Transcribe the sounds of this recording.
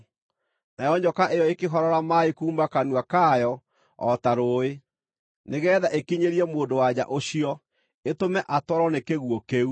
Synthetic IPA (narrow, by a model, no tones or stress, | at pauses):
najɔɲd͡ʑɔkaʔejɔekeɦɔɾɔɾamaekuːmbakanwakajɔ | ɔtaɾoːe | neɣɛːðaʔekiɲeɾiɛmoːndowaɲa̰ʔoɕiɔ | etomɛʔatwɔɾɔnekeɣwɔkeu